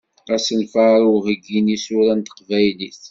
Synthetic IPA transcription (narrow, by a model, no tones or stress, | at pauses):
æsənfaɾʊʁəɡːinisʊɾænt̪ə̥qvæjliθ